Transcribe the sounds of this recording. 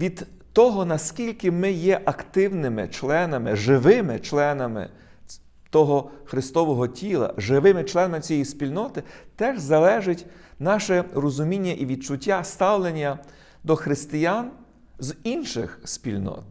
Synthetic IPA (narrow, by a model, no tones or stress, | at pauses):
ʋʲid̪t̪ɔɦɔnɐskʲilʲkɪmɪjɛʔɐkt̪ɪwnɪmɪ̰t͡ʃlˠɛnɐmɪʒɪʋɪmɪt͡ʃlˠɛnɐmɪ̰ | t̪ɔɦɔxɾɪst̪ɔʋɔɦɔtʲilˠɐ̰ʒɪʋɪmɪt͡ʃlˠɛnɐmɪt͡sʲijɛjispʲilʲnɔt̪ɪt̪ɛʒzɐlˠɛʒɪtʲnɑʃɛrɔzʊmʲinʲːɐʔiʋʲid̪̚t͡ʃʊtʲːast̪ɑwlˠenʲːɐ | d̪ɔxɾɪst̪ɪjan | zinʃɪ̰xspʲilʲnɔ̰t̪